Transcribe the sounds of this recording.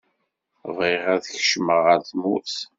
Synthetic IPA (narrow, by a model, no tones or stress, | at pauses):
viʁæðəçʃməʁəɾθmuθ